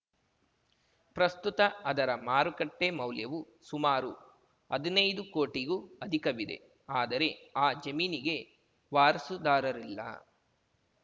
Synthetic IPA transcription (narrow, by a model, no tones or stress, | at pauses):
pɾɐst̪ut̪ɐɐd̪ɐɾɐmaːɾukɐʈːemɐwljɐʋu | sumaːɾu | ɐd̪inɐjd̪ukoːʈiɡuːɐd̪ʱikɐʋid̪e̞̰ | aːd̪ɐɾe̞aːd͡ʒɐmiːniɡe̞ | ʋaːɾsud̪aːɾɐɾilːɐ̰